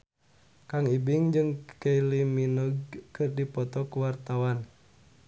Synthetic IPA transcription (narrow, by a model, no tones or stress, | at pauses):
kaŋibiŋd͡ʒɨŋkeiliminuɡkɨrdipɔt̪ɔkuwart̪awan